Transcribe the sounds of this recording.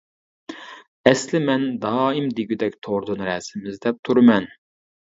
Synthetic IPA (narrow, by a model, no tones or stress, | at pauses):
ɛslɪmɛnd̪ɑːimd̪iɡʲid̪ɛkʲt̪ʰoɾd̪unɾɛsɪmɪzd̪ɛp̚t̪ʰuɾɨmɛn